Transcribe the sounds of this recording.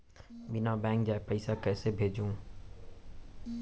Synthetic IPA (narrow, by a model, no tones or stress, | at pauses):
bɪnabɛ̃ːŋk̚d͡ʑaːɦepəɪsakɛːsebʱeːd͡ʑũː